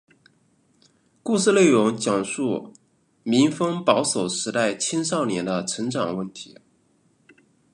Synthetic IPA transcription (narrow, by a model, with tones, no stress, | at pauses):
ku˥˧sɹ̩˥˧le˥˩ɪɻʊ˧˥ŋt͡ɕjɑ˨˩ŋʂu˥˩ | mi˧˥ŋfɤ˥ŋpɑ˧˥ʊso˨˩ʊʂɻ̩˧˥t̪a˥˩ɪt͡ɕʰi˥nʂɑ˥˩ʊnjɛ˧˥nd̪ə˧ʈ͡ʂʰɤ˧˥ŋʈ͡ʂɑ˨˩ŋwə˥˩nt̪ʰi˧˥